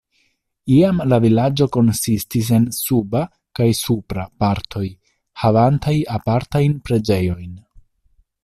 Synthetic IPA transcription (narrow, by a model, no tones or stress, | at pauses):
iamlavilad͡ʒo̞ko̞nsistis̬e̞nsuba | kajsupɾapaɾtʰo̞j | havantajapaɾtajnpɾe̞d͡ʒe̞jo̞jn